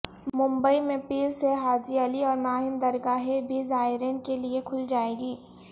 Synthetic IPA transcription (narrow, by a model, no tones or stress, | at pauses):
mʊ̃mbəimẽpiːɾseɦaːd͡ʒiɐliɔːɾnaːɦɪnd̪ɐɾɡaːɦebʱizaːɪɾeːnkeliekʰʊld͡ʒaːeːɡiː